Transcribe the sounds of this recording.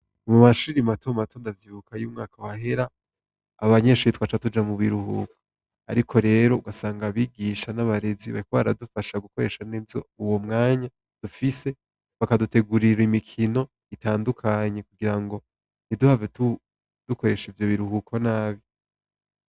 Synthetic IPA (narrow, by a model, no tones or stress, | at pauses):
umumaʃuːɾimatomato̞ndavjiβukajuːmŋaːkawaɦe̞ɾaː | βaɲeʃuɾitwat͡ʃatud͡ʒamuβiɾuhṵko̥ | aɾikʰo̞ɾe̞ːɾo̞uɡasaːŋɡaβiɡiːʃanaβaɾe̞ziβa̰ikoβa̰ɾadufaʃaɡuko̞ɾe̞ʃaneːzo̰uwo̞mŋaːɲa | d̥ufise̞ | βakadute̞ɡuɾiɾaimikʰino̞ | itaːndukʰaɲe̞kuɡiɾaŋɡo̞ | niduhavetu | d̥uko̞ɾe̞ʃivjo̞βiɾuhukʰonaːβi